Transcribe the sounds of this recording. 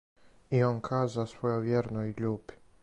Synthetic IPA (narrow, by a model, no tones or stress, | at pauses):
ionkʰaːzasʋo̞joʋjeɾnojʎuːpi̥